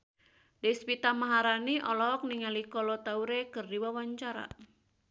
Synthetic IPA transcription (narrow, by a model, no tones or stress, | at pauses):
despit̪amaɦaɾaniʔɔlɔːk̚niŋalikɔlɔt̪auɾekɨrdiwawaɲt͡ʃaɾa̰